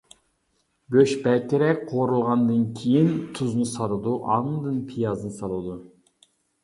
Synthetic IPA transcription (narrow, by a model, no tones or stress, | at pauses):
ɡʲøʃbɛt̪ʰɪɾɛkʲqʰoɾulˠʁɑnd̪ɨnkʲʰijint̪ʰuznɨsɑɾɨd̪uʔɑŋd̪ɨnpʰijɑzɨnɨsɑlˠud̪u